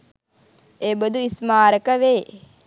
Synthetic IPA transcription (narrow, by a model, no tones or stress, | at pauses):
eːbəd̪uismaːɾəkəʋeː